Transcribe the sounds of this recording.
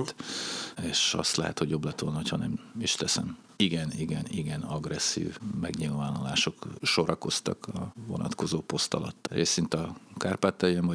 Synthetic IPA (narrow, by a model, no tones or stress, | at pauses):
t̪eːʃɒ̰st̪lɛɦɛt̪ho̞ɟjo̞blɛt̪ʋolnɒɦochɒnɛmiʃt̪ɛsɛm | iɡɛniɡɛniɡɛnɒɡrɛsːḭːvmɛɡɲilvaːnolaːʃo̞kʃo̞ɾɒko̞st̪ɒkɒvo̞̰nɒ̰t̪ko̞zoːpo̞st̪ɒlɒ̰t̪ːeːsint̪ɒkaːrpaːt̪ːɛjɛɱvɒ